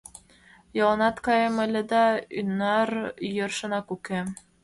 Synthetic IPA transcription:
jɑlˠɤnɑt̪kɑjɤ̆mɘ̆lʲɘ̆d̪ɑy̰nːɑɾjɤ̆rʃɤ̆nɑkʉkɘ

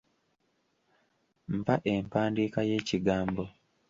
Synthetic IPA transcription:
m̩paʔempaːndiːkaje̞ːciɡaːmbo

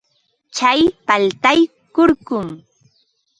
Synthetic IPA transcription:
t͡ʃajpalt̪aj | koɾkʊŋ

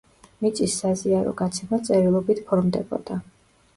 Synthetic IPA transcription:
mit̪sʼisːaziaɾɔ̰ɡat̪sʰɛmat̪sʼɛɾilˠɔbit̪ʰpʰɔɾmd̪ɛbɔ̰d̪̥a

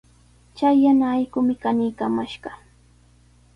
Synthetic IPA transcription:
t͡ʃajːanaːjkʊmɪkanɪjkamaʃɢɑ

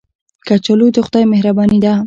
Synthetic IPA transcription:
kat͡ʃalud̪əxʊd̪ɑjmehɾabɑnid̪a

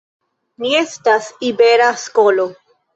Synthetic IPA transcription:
nie̞stasibe̞ɾasko̞lo̞

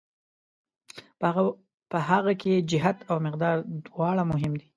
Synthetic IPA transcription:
pəɦaɣakʰed͡ʒɪɦat̪awmɪqd̪ɑɾd̪wɑɽamʊɦɪmd̪i

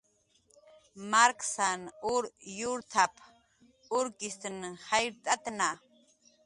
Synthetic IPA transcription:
maɾkʰʼsanuɾjuɾt̪ʰapʰ | uɾkʼist̪ʰɨnhajɾt̪ʼat̪ʼna

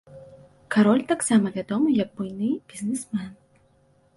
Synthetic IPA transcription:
kʰaɾɔlʲt̪aksamaɡʲad̪ɔmjak̚bojnɨb̥iznesman

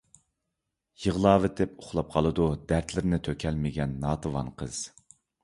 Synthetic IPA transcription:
jəʁlˠɑːvet̪ʰɪpʊχlˠɑp̚qʰɑlˠɨd̪ud̪æɾt̪ʰlɪɾnɪt̪ʰøkʲʰɛlmɪɡʲɛnːɑːt̪ʰɨvɑ̰nqʰəz̥

